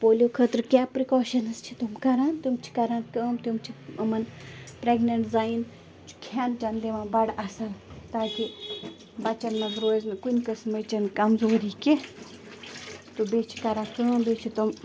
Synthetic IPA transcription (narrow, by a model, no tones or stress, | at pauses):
poːlʲokʰət̪ɾkjaːpɾikoːʃɐnst͡ʃʰi̥t̪umkɐɾaːnt̪umt͡ʃʰi̥kɐɾaːnkəːmt̪umt͡ʃʰiɐmɐnpɾeɡnɐɳʈzaːin | t͡ʃʰu̥kʰaːnd͡ʒɐnleʋãːbɐɽɐsɐlt̪aːki | bɐt͡ʃɐnːɐɡɾoːznkunʲkəsmɐt͡ʃɐnkɐmzoːɾike | t̪ubeːt͡ʃʰi̥kɐɾaːnkəːmbet͡ʃʰit̪um